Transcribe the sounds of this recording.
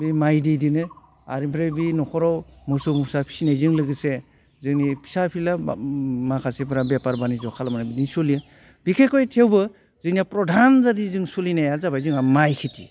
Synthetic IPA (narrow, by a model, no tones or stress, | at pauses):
bimajdijdinɯ | a̰ɾimpʰɾebinɔkʰɔɾɔwmusumusapʰi̥sinajzɯŋlɯɡɯse | zɯŋnipʰi̥sapʰilamakʰasep̬ʰɾabepaɾbanizɔkʰalmanabidiŋsulijɯ | bikʰekɔjtʰewbɯ | zɯŋniapɾɔdʱanzadizɯŋsulinajazabajzɯŋamajkʰitḭ